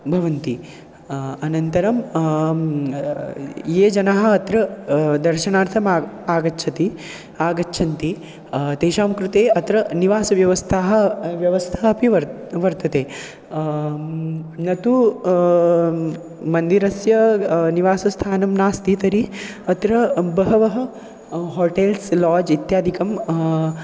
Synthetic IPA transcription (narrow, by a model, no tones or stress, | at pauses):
bʱɐʋɐnt̪i | ɐnɐnt̪ɐɾɐm | jeːd͡ʒɐnaɦɐ̆ɐt̪ɾɐd̪ɐɾʃɐnaːɾt̪ʰɐmaaːɡɐʃʰɐt̪i | aːɡɐːʃʰɐnt̪i | t̪eːʃaːmkɾut̪eːɐt̪ɾɐniʋaːsɐʋjɐʋɐst̪ʰaːɦɐ̆ʋjɐʋɐst̪ʰaɐpiʋɐɾ | ʋɐɾt̪ɐt̪eː | nɐt̪u | mɐnd̪iɾɐsjɐniʋaːsɐst̪ʰaːnɐmnaːst̪iːt̪ɐɾi | ɐt̪ɾɐbɐɦɐʋɐɦɐ̆ | ɦoːʈeːlslɔːd͡ʒit̪jaːd̪ʱikɐm